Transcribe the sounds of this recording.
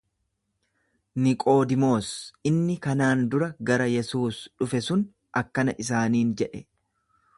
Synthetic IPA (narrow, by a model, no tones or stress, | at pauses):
nɪkʼo̞ːd̪ɪmo̞ːsɪnːɪkɐnaːnd̪ʊɾɐɡɐɾɐjɛsuːsᶑʊfɛsʊn | ʔɐkːɐnɐʔɪs̬aːniːnd͡ʒɛᶑɛ